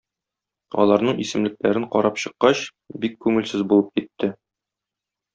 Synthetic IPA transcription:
ɒ̰lˠɑɾnɤɴisɘ̆mlɘ̆k̚læɾɘɴqɒ̰ɾɑpɕɤ̆qːɑɕ | bikːʉŋɘ̆lsɘzbulˠɤp̚kit̪ːɘ

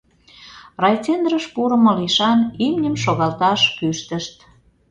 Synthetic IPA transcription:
rɑjt͡send̪rəʃpuɾə̆moliʃɑnimnʲəmʃoɣɑlt̪ɑʃpyʃt̪əʃt̪

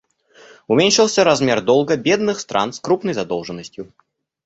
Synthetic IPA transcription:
ʊmʲenʲʂɨlˠsʲəɾazmʲerd̪ɔlˠɡəbʲed̪nɨxst̪ɾʔa̰nskɾupnəjzɐd̪ɔlˠʐɨnːəsʲtʲjʊ

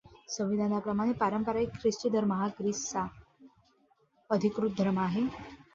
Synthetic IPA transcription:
sə̃ʋid̪ʱanapɾəmaɽ̃epaɾəmpəɾaikʰɾist͡ɕəd̪ʱəɾməɦakɾissa | əd̪ʱikɾut̪̚d̪ʱɾəmaɦe

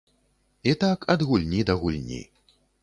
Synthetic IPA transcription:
it̪akʰɐd̪ɣulʲnʲid̪ɐɣulʲnʲḭ

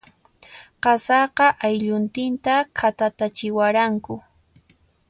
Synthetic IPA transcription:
qɑsɑqɑʔajʎʊnt̪ɪnt̪akʰat̪at̪at͡ʃɪwaɾaŋkʊ

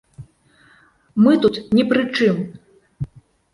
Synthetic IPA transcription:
mɨt̪ut̪nʲɛpɾɨt͡ʂɨm

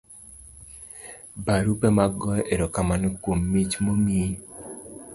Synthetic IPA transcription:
baɾupemaɡɔjeɾɔkamanɔkwomːit͡ʃmomi

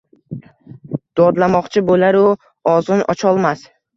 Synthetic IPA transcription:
d̪̥ɒd̪lamɒqt͡ʃʰɪbolaɾʊ | ɒzʊnʔɒ̰t͡ʃʰɒlˠmas

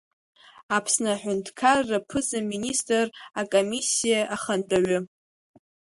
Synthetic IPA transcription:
apʰsnaħʷᶣʊntʰkʰarːapʰɨzaministʼɨrakʼomisːijaʔaχəndʼaɥʊ

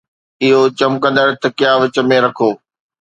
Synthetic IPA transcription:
ɪɦot͡ɕɐmkɐ̃nd̪əɾt̪ɐkɪjaːʋɪt͡ɕə̆mẽɾɐkʰoː

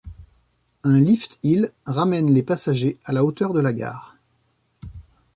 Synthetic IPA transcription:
ɛ̃lift̪ilʁamɛnlepasaʒealaot̪œʁd̪əlaɡa̰ːʁ

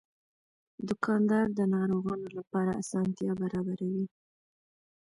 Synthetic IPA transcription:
d̪ʊkʰɑnd̪ɑɾd̪ənɑɾoɣɑnolapɑɾaasɑnt̪jɑbaɾɑbaɾawi

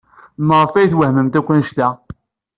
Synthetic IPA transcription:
nəʁˤfæjθwəhməmt̪ækʷːənʃt̪æ

